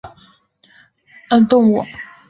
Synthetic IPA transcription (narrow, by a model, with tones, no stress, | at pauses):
ə˦˥nt̪ʊ˥˩ŋwɔ˨